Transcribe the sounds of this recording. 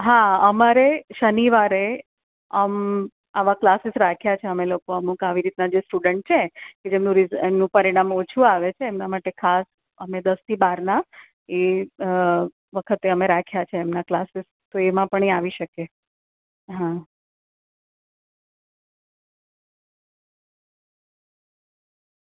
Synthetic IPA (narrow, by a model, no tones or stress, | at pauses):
ɦaəmaɾeʃəniʋaɾe | əm | aʋaklasɪsɾakʰjat͡ʃʰeəmelokoəmũkaʋiɾit̪nad͡ʒesʈuɖəɳʈ̚t͡ʃʰeked͡ʒemnũɾizemnũpəɾiɽ̃amot͡ʃʰuaʋet͡ʃʰeːmnamaʈekʰas | əmed̪əst̪ʰibaɾna | e | ʋəkʰət̪eəmeɾakʰjat͡ʃʰeːmnaklasɪs | t̪oemãpəɳ̃eaʋiʃəke | ɦã